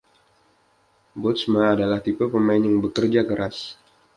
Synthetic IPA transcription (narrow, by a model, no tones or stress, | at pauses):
bɔt̪smaːdalaht̪ipəlpəmaɪnjaŋbəkərd͡ʒakəɾʔas